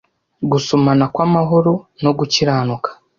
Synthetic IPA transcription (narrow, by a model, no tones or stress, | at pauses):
ɡusumanakwamaɦo̞ɾo̞no̞ɡuciɾaːnukḁ